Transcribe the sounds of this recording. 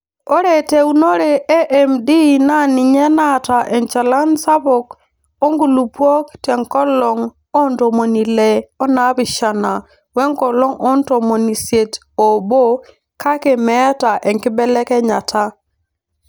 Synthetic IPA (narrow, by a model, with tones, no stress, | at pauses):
o˦ɾe˨te˨u˨no˦ɾe˨ɛ˦ʔɛ˨mdi˦na˦˨nɪ˨ɲɛ˦na˦ta˨ʔɛ˨nt͡ʃa˨la˦nsa˦bʊ˨k | o˦ŋɡu˨lu˨po˦ktɛ˨ŋkɔ˦lɔ˨ŋ | ɔ˦nto˨mo˨ni˨lɛ˨ɔ˦na˨˦bɪ˨ʃa˨na˨ | wɛ˦ŋkɔ˨lɔ˦ŋɔ˦n˦to˨mo˨ni˨sje˨t | o˨bo˦ | ka˦ke˨mɛ˦ta˨ʔɛ˨ŋkɪ˦bɛ˦lɛ˦kɛ˦ɲa˨tʰa˦